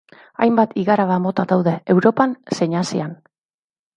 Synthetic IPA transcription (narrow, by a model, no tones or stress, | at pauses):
a̰jmbat̪ʰiɣaɾaβamo̞t̪aðawðe̞ːwɾo̞panse̞ɲasian